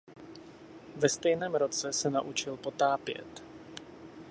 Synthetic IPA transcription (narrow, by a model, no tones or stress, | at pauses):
vɛst̪ɛjnɛːmɾo̞t͡sɛsɛnaʔut͡ʃɪlpo̞t̪aːpjɛ̰t̪